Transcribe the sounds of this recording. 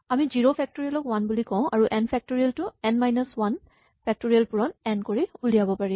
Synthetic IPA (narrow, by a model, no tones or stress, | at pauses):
amiziɹopʰɛk̚toɹialɔkwanbulikɔ̃w̃ʔaɹuʔɛnpʰɛk̚toɹialtʊɛnmajnɔswan | pʰɛk̚toɹijalpuɹɔnɛnkoɹiulijabɔpaɹi